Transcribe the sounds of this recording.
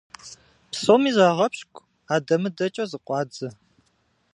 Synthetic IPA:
psomiːzaːʁɐpɕkʷʼ | aːdɐmɨdɐt͡ʃʼɐzɨqʷʼɑːd͡zɨ

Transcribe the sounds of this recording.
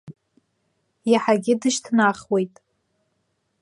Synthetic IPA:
jaħaɡʲɪdɨʃtʰnaχwe̞jtʼ

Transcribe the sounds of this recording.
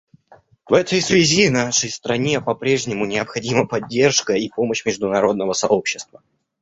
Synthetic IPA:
vɛt̪əjsvʲɪzʲinaʂəjst̪ɾɐnʲe̞pɐpɾʲe̞ʐnʲɪmʊnʲɪəpxɐdʲiməpɐdʲːe̞rʂkəipo̞məɕmʲɪʐd̪ʊnɐɾo̞d̪nəvəsɐʔo̞pɕːɪst̪və

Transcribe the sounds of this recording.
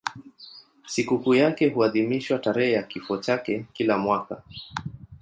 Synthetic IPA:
sikukujakɛhuaðimiʃwataɾɛhɛjakifɔt͡ʃakɛkilamwaka

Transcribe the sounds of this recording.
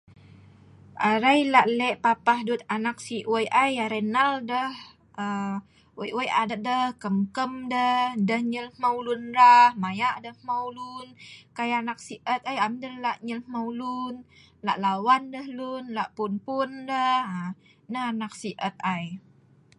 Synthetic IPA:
ʔaɾajlaʔlɛʔpapahdut̪̚anak̚siʔwəjʔajaɾənaldəh | ʔə | wəjwəjʔadədəhkəmkəmdəhdəhɲəlmawlunɾahmajaʔdəhmawlunkajanak̚siʔət̪̚ajamdəllaʔɲəlmawlun | la̰ʔlawandəhlunlaʔpunpundəha | nəɦanak̚siʔət̪̚aj

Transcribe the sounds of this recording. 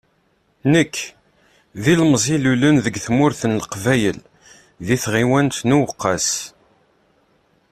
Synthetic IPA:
nəkː | ðilmzˤilulənðəɡθmʊɾθənləqvæjə̰l | ðiθʁiwænt̪nuwəqːɑs

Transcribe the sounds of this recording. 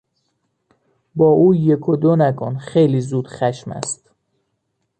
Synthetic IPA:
bɒːʔuːjekʰod̪onækʰonxejliːzuːd̪̥χæʃmæ̰st̪

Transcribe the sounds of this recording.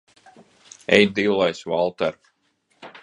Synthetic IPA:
ɛ̰jd̪iwlˠajsvalˠt̪ɛɾ

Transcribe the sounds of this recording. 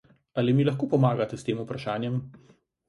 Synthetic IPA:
alimilaxkoːpɔmaːɡat̪ɛst̪eːmupɾaʃaːnjɛm

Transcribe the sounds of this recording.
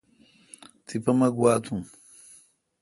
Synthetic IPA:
t͡sipɐmɐɡwat͡sʰũ

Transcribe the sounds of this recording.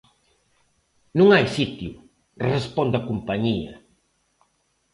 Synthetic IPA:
nũŋajsit̪jʊ | respɔnd̪akumpaɲiɐ̰

